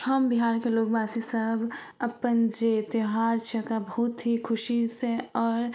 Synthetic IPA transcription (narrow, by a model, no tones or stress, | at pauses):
həmbiɦaːɾkeloːkbaːsisəbʱ | əpənd͡ʒet̪ɪɦaːɾt͡ʃʰəkabəɦʊt̪ɦikʰʊʃisẽɔːɾ